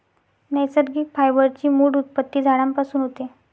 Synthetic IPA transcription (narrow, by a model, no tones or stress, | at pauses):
nɛjsəd̪ɡiːfajbəɾt͡ɕiːmuːɽut̪̚pət̪ːiːd͡zʱaɽãmpasuːnɦot̪e